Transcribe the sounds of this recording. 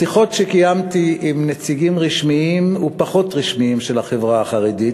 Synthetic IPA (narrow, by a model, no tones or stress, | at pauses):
siχo̞tʃekijamt̪iʔimnet͡siɡimʁiʃmiimupaχo̞tʁiʃmiimʃelaχevʁaːχaʁedit